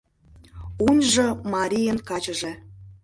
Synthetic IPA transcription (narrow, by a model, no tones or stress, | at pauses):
unʲʒomɑɾʲijənkɑt͡ɕəʒe